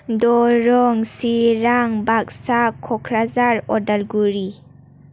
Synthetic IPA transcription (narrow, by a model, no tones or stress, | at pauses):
dɔɾɔŋsiɾaŋbak̚sakʰːɔkʰɾazaɾɔdalɡuɾi